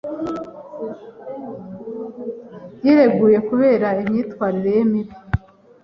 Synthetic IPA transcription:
jiɾe̞ɡuːje̞kuβe̞ːɾaimɲiːtwaːɾiɾe̞jemiβi

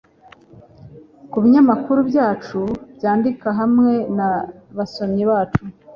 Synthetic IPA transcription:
kuβiɲamakuɾubɟaːt͡ʃubjaːndikaɦamŋe̞na | βaso̞mɲiβaːt͡ʃu

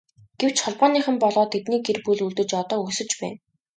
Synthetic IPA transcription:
ɡ̥ew̥t͡ɕχɔɮpɔːniːχɘ̆mpɔɮɔːt̪ʰet̪niːkerpuɮuɮt̪ɘ̆t͡ɕɔt̪ɔːusɵ̆t͡ɕpæ̰ːn

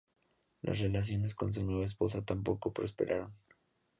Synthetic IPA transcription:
lʔa̰sre̞las̬jo̞ne̞sko̞ns̬eɲoes̬po̞s̬at̪ampo̞ko̞pɾo̞spe̞̰ɾʔaɾo̞n

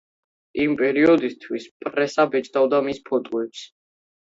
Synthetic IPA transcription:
impʼɛɾiɔd̪ist̪ʰwispʼɾɛsabɛt͡ʃʼd̪avd̪amispʰɔt̪ʼɔɛps

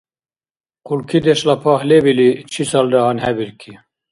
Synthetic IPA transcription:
kulkʰid̪eʃlɑpʰɑhlebilit͡ʃʰisɑːldɑɦɑːnhɛbiɾkʰi

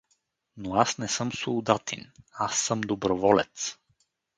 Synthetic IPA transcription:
noasnɛsɤmsod̪at̪ʰḭnasːəmd̪obɾovɔlɛ̰t̪s

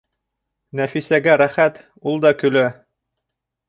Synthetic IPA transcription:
næfisæɡæɾæχæt̪ | ulˠd̪ɑkɵ̆læ

